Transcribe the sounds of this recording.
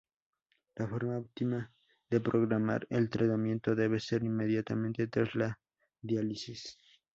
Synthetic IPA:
lafoɾmaopt̪ima | ðepɾo̞ɣɾama̰ɾelt̪ɾat̪amje̞nt̪o̞ðe̞βe̞se̞ɾinme̞ðjat̪amẽ̞nt̪et̪ɾazla | ðjalisis

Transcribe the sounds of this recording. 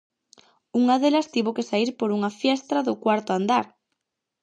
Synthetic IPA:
uŋaðelɐst̪iβokesaiɾpoɾuŋɐfjɛst̪ɾaðʊkwaɾt̪ʊand̪aɾ

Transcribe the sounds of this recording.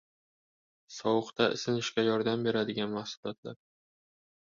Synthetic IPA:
sɒwɨqt̪ʰaɪ̰sɪnɪʃkʲajɒɾd̪ambe̞ɾad̪ɪɡʲanmahsʊlɒt̪ʰla̰ɾ

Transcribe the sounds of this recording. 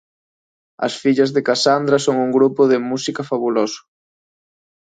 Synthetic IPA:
ɐ̰sfiʎɐzðɪkasand̪ɾasoŋuŋɡɾupʊðɪmusikɐfaβulosʊ̥

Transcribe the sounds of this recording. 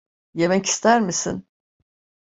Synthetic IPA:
je̞mɛci̥st̪ʰæɾmisḭn

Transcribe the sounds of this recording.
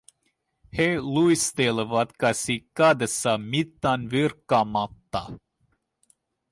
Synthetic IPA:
helujst̪eləvat̪kasikːad̪ɛsamit̪ːanviɾkamat̪ːa

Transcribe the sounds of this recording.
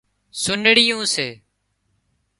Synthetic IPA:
sʊnɽɪjũːseː

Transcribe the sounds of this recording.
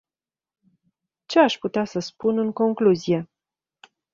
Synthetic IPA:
t͡ʃe̞aʃput̪easəspunɨŋko̞ŋkluzije̞

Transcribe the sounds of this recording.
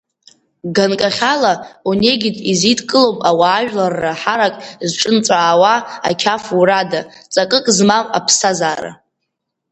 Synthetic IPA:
ɡankʼaχʲalaune̞ɡʲɪtʼizitʰkʼɨlowpʼawaːʒᶣlarːaħaɾakʼzʈ͡ʂʼɨnt͡sʷʼaːwaa̰kʲʰafuradat͡sʼakʼɨkʼzmama̰pʰsazaːɾa̰

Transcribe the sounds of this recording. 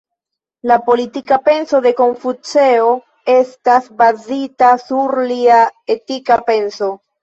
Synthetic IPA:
lapo̞litikape̞nso̞de̞ko̞ɱfut͡se̞o̞ | e̞stasbazitasuɾliae̞tikape̞nso̞

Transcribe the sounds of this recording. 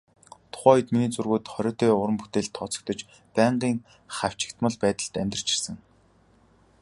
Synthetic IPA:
t̪ʰʊ̥χæːɔjə̆t̪miniːt͡surɣoːt̪χœɾʲɔːt̪ʰeːʊɾə̆mput̪eːɮt̪ʰːɔt͡sɞ̥̆k̚t̪ɞ̆t͡ɕ | pæɴɢiːŋ | χaw̥t͡ɕɪ̆kt̪mə̆ɮpæːt̪ə̆ɬt̪æmʲt̪ə̆rt͡ɕʰɪ̥̆rsə̆ŋ

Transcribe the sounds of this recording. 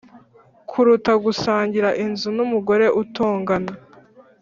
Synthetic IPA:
kʰuɾutaɡusaːɲɟiɾaʔinzunumuɡo̞ɾe̞ʔutoːŋɡana

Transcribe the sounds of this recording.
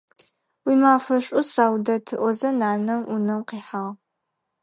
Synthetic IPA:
wiːmaːfɐɕʷʼʊsaːwdɐtʰɨʔʷɔzɐnaːnɐmʔunɨmqiːħaːʁ

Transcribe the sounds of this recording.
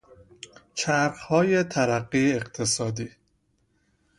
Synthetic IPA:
t͡ʃʰæɾxhɒːje̞t̪ʰæɾæɢːieqt̪ʰesɒːd̪iː

